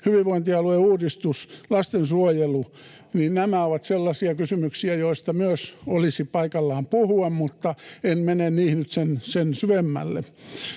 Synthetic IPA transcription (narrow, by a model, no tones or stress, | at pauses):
hyʋiʋʋoint̪iɑlueuːdist̪uslɑst̪ensuojelu | ninnæmæoʋɑt̪selːɑsiɑkysymyksiæjoist̪ɑmyøsolisipɑikɑlːɑːmpuhuemmut̪ːɑenmenenniːhnyt̪sensensyʋemːæ̰lːḛ